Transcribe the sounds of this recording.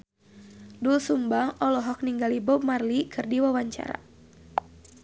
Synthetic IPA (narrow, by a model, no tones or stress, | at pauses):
dulsumbaŋɔlɔɦɔk̚niŋɡalibɔp̚marlikɨrdiwawaɲt͡ʃa̰ɾa̰